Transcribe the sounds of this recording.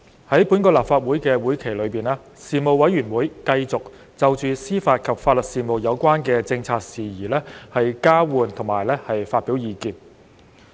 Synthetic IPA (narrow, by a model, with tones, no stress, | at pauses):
hɐ˨˥jpuː˨˥nkɔː˧laː˨p̚faː˧t̚wu˨˥jkɛː˧wuː˨˥jkʰe˨˩lɵ˨˧ɥpiː˨naː˧˥ | siː˨mo˨wɐ˨˥jyː˨˩nwuː˨˥jkɐ˧jt͡sʊ˨k̚ | t͡sɐ˨wt͡ʃyː˨siː˥faː˧t̚kʰɐ˨p̚faː˧t̚lɵ˨t̚siː˨mo˨˩wjɐ˨˧wkʷaː˥nkɛː˧t͡sɪ˧ŋt͡sʰaː˧k̚siː˨˩jiː˨˩lɛː˥hɐ˨jkaː˥wuː˨nt̪ʰʊ˨˩ŋmaː˨˩jlɛː˥hɐ˨jfaː˧t̚piː˨˥wjiː˨˧kiː˧n